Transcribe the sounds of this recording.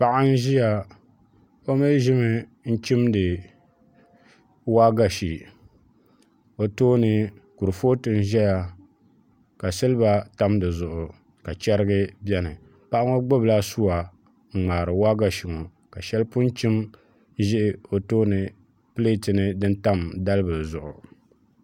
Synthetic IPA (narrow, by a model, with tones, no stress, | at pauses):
pa˦ʔa˦n̩˦ʒi˦ja˨ | o˦me˦ʒɪ˦mɨ˦n̩˦t͡ʃi˦mdɨ˨ | wa˦ɡa˨ʃi˨ | o˨toː˦nɨ˨ku˨ɾɨ˨foː˦tɨ˦n̩˦ʒɛ˦ja˦ | ka˨sɨ˦lɨ˦ba˦ta˦mdɨ˨zʊ˨ʔʊ˨ | ka˨t͡ʃɛ˦ɾɨ˦ɡɨ˦bjɛ˦nɨ˨ | pa˦ʔa˦ŋo˦ɡ͡bo˦bla˦su˦wa˨ | ŋ͡m̩˨ŋ͡maː˨ɾɨ˨wa˦ɡa˨ʃi˨ŋo˨ | ka˨ʃɛ˦lpʊ˦n˦t͡ʃi˦m | ʒɪ˦ʔɪ˦o˨toː˦nɨ˨ | pɨ˦le˦˨tɨ˨nɨ˦dɨ˦n˦ta˦mda˦lɨ˦bɨ˨zʊ˨ʔʊ˨